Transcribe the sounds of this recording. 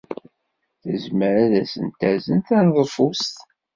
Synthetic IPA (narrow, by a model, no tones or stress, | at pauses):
θəzməɾæðæsə̰nt̪æzənt̪ænðˤəfust̪